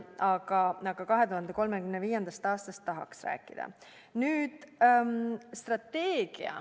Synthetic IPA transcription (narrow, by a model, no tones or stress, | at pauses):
ɑɡ̥ɑnɑɡ̥ɑkɑɦe̞t̪uɦɑnd̪e̞ko̞lme̞kymneviːjend̪̥ɑst̪ɑːst̪ɑst̪ːɑɦɑ̰ksræ̰ːkːˑid̪̥ɑ̰ | nyːd̪̥mst̪rɑt̪ːeːɡ̥ḭɑ̰